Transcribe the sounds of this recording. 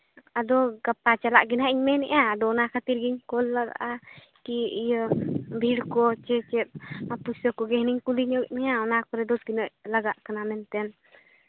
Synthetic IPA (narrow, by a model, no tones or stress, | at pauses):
ad̪ɔɡapat͡ʃalaʔɡinaʔiɲmɛnɛ̰ʔaːd̪ɔnakʰat̪iɾɡiɲkɔlːaɡa̰ʔa | kiijbʱiɽkɔt͡ʃɛt͡ʃɛt̪̚apusəkɔɡɛɦniɲkuliɲɔɡɛʔ̚mɛjaɔnakɔɾɛd̪ɔsɡinəʔ̚laɡaʔkanamɛnt̪ɛn